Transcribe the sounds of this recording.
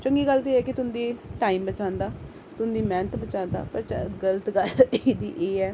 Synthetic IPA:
t͡ʃəŋɡiːɡəlt̪iːɛːkɪt̪ʊnd̪iːʈaːiːmbət͡ʃãːnd̪aː | t̪ʊnd̪iːmɛ̃ːnət̪bət͡ʃãːnd̪a̰ːpəɾt͡ʃɡələt̪ɡəlːd̪ḭːʔeːɛː

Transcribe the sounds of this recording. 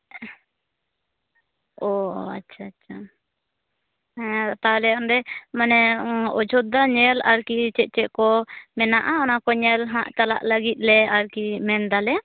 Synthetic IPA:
ɔ̰a̰tːt͡ʃʰaːtːʃʰa | t̪alɛɔnɾɛmanɛɔd͡ʒʱɔt̪̚d̪aɲɛlaɾkit͡ʃɛʔ̚t͡ʃɛʔkɔmɛnaʔaɔnakɔɲɛlɦãʔt͡ʃala̰ʔləɡit̪̚ˀlɛaɾkimɛnd̪alɛ

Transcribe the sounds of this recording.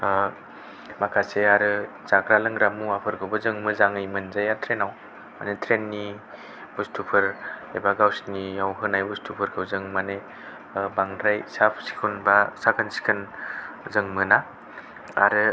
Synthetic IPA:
makʰaseaɾɯ | t͡ʃakɾalɯŋɾamuapʰɯɾɡʰɯwbɯzɯŋmɯzaŋɯjmɯnzajatʰɾenaw | ma̰netʰɾenːi | bustʰupʰɯɾḛbaɡawsnijawɦɯnajbustʰupʰɯɾkʰɯwzɯŋmane | baŋdɾajsapʰsi̥kʰunbasakʰɯnsi̥kʰɯnzɯŋmɯna | aɾɯ

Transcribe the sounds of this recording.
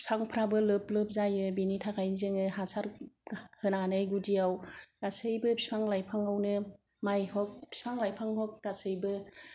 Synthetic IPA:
pʰaŋpʰɾabɯlɯplɯp̚zajɯbinitʰakʰajnzɯŋɯɦasaɾhɯnanɯjɡudiawd̥asɯjbɯpʰispʰaŋlajpʰaŋawnɯ | majhɔk̚pʰi̥spʰaŋlajpʰaŋɦɔk̚dasɯjbɯ

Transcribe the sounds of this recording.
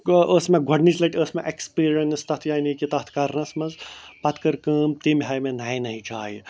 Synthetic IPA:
əːsmẽɡʱɐɖnit͡ʃlɐʈʲəːsmẽʔekspiːɾɐnst̪ɐt̪ʰjaːinikit̪ɐt̪ʰkɐɾnɐsmɐnzpɐt̪kɐɾkɨːmt̪imɦaːjmẽnɐːĩnɐɦĩd͡ʒa̰ːj

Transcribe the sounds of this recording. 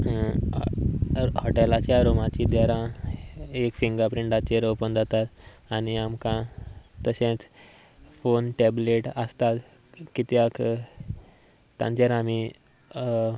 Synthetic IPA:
hɔʈɛlat͡ɕjaɾomat͡ɕid̪aɾã | ekfiŋɡapɾiɳɖat͡ɕeɾəpənd͡zʱat̪at̪aniamkãt̪ːəɕẽt͡s | fonʈɛbleʈəst̪at̪ | kit̪jak | t̪ã̰ɲt͡ɕeɾami

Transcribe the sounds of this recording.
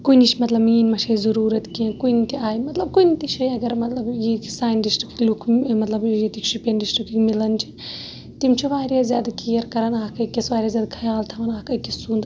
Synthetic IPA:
koinit͡ʃʰmɐt̪lɐbmiːnmɐʃʰɐzɐɾuːɾɐt̪kĩkoinit̪iaːjmɐt̪lɐb̚koinit̪it͡ʃʰɐjɐɡɐɾmɐt̪lɐbjisaːnɖisʈɾiki̥klukʰmɐt̪lɐbjet̪ikʃipenɖisʈɾikikmilɐnt͡ʃʰi | t̪imt͡ʃʰiʋaːɾʲjazjaːd̪akiɐɾkɐɾɐnaːkɐkisʋaːɾʲjaːzjaːd̪kʰɐjaːlt̪ʰɐʋɐnaːkɐjkissuːnd̪

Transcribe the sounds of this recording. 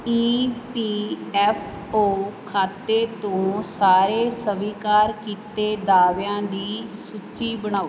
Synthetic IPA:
iːpiːɛːpʰ | oːkʰaːt̪ːeːt̪õːsaːɾeːsəʋiːkaːɾkiːt̪eːd̪aːʋjãːd̪iːsut͡ʃiːbəɳ̃aːoː

